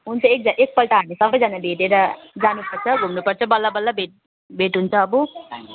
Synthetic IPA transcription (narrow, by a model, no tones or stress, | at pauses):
ɦunt͡sʰʌek̚d͡zaʔek̚pʌlʈaɦamisʌbʌjd͡zanabʱeʈeɾʌd͡zanupʌrt͡sʰʌɡʱumnupʌrt͡sʰʌbʌlːabʌlːabʱeʈ̚ | bʱeʈɦunt͡sʰʌːbu